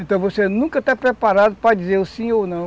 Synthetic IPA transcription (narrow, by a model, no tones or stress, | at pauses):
ẽt̪ɐ̃w̃vosenũkɐt̪apɾɛpaɾad̪ʊpɾɐd͡ʒizelʊsĩownɐ̃w̃